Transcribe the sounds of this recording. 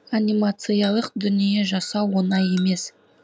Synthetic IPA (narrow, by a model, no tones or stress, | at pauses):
anʲimat̪sɨjɑlˠəqd̪ʏnije̞ʒɑsɑwo̞nɑje̞me̞s